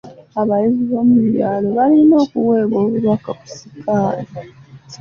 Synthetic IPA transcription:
aβajiziβo̞ːmuβjaːlo̞βalino̞ːkuwe̞ːβo̞ːβuɾwakaku̥sikʰaːli

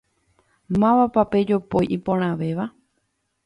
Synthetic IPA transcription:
mãʋapape̞d͡ʒopojʔipõɾ̃ãʋe̞ʋa

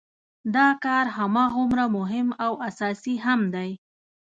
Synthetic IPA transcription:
d̪ɑkɑɾɦamɑɣʊmɾamʊɦɪmawasɑsiɦamd̪aj

